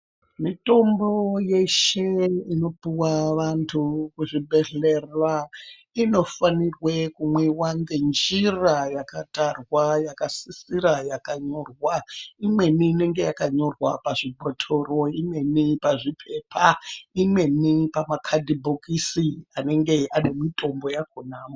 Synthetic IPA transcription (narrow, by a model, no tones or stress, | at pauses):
mito̞mbo̞je̞ʃe̞ino̞puwaʋantʰukuʐibʱe̞ɮe̞ra | ino̞fanirwe̞kumwiwandend͡ʒirajakatarwajakasisiɾajakaɲo̞rwaimwe̞niːne̞ŋɡe̞jakaɲo̞rwapaʐibʱo̞tʰo̞ro̞imwe̞nipaʐipʰe̞pʰaimwe̞nipamakʰadʱibʱokisiane̞ŋɡe̞ane̞mitʼo̞mbo̞jakunaːmo